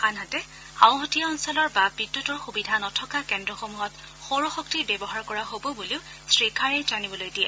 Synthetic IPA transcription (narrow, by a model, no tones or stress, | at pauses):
anɦatɛ | ãw̃ɦɔtijaɔnsɔlɔɹbabidːutɔɹxubidʱanɔtʰɔkakɛndɹɔxomuɦɔt | xoɹɔxɔk̚tibɛbɔɦaɹkɔɹaɦobɔbuleʊ | sɹikʰaɹɛjd͡ʒanibɔlojdijɛ̰